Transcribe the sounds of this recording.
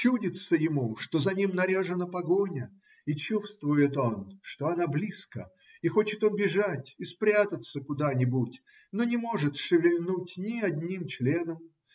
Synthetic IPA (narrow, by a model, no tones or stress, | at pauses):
t͡ɕudʲɪt̪səjɪmuʂt̪o̞zɐnʲimnɐɾʲaʐɨnəpɐɡo̞nʲə | it͡ɕust̪vʊjɪt̪o̞nʂt̪o̞ɐnablʲiskə̰ | ixo̞t͡ɕɪt̪obʲɪʐatʲispɾʲat̪ət̪səkʊd̪anʲɪbutʲ | no̞nʲɪmo̞ʐɨt̪ʂɨvʲɪlʲnutʲnʲɪɐd̪ʲnʲimt͡ɕlʲe̞nəm